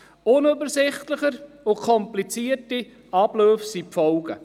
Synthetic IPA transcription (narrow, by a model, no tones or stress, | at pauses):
ʊnøbəɾsɪχtləχəɾ | ʊkʰɔmplit͡siəɾti | ɑbløːfsipfɔwɡ̥ə